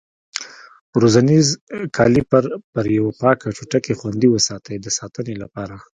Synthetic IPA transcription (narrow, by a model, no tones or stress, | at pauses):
ɾozanizkʰɑlipaɾpəɾjawapɑkaʈ͡ʂuʈakexwand̪iwəsɑt̪ʰəjd̪əsɑt̪ənelapɑɾa